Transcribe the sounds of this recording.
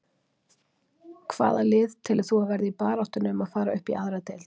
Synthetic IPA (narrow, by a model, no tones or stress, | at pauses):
kʰva̰ːðalɪːðt̪ʰɪlθuavɛɾðɪipaːɾaht̪ʏnʏmaðfaːɾaʏhpḭʔaðɾat̪el